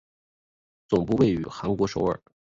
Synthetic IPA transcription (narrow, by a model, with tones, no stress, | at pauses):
t͡sʊ˨˩ŋpu˥˧we˥˩ɪy̰˨˩xa˧˥nkwɔ˧˥ʂo˧˥ʊə̰˞˨˩˦